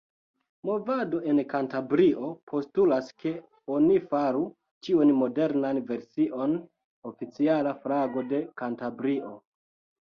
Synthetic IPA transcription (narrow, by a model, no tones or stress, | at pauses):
mo̞vado̞ʔe̞nkantabɾiʔo̞pʰo̞stulaske̞ | o̞nifaɾu | t͡ʃiunmo̞de̞ɾnanve̞ɾsiʔo̞n | ofit͡sialafɾaɡo̞de̞kantabɾiʔo̞